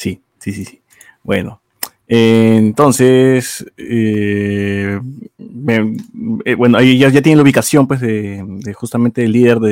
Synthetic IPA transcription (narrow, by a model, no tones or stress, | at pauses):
si | sisisi̥ | bwe̞̰no̰ | ent̪o̞nsese | meebwe̞noeʝasʝat̪jeneluβikasjo̞mpwezðed̪exust̪amẽnt̪elːiðe̞ɾðe